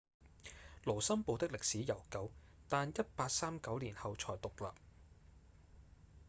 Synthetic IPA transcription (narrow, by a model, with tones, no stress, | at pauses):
lo˨˩wsɐ˥mpo˨˧wt̪ɪ˥k̚lɪ˨k̚siː˨˥jɐ˨˩wkɐ˨˥w | t̪aː˨njɐ˥t̚paː˧k̚saː˥mkɐ˨˥wliː˨˩nhɐ˨wt͡ʃʰɔː˨˩jt̪ʊ˨k̚la̰ː˨p̚